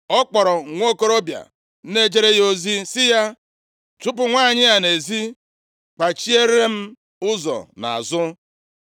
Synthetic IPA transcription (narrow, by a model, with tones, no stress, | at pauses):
ɔ˦k͡pɔ˨ɾɔ˨ŋʷo˦ko˦ɾo˦bja̰˨ | n̩˦ne˦d͡ʒe˦ɾe˦jo˦zi˦sɪ˦ja˦ | t͡ʃʊ˦pʊ˨ŋʷa˦˨ɲɪ˦a˨ne˨zi˦ | k͡pa˨t͡ʃi˦e˦ɾe˦m̩˦ | ʊ˦zɔ̰˨na̰˨a̰˨zʊ˦